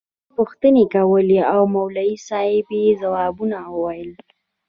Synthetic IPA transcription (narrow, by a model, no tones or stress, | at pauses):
pʊxt̪ənekawəleawmawlaisɑjepezawɑbunawəwajəl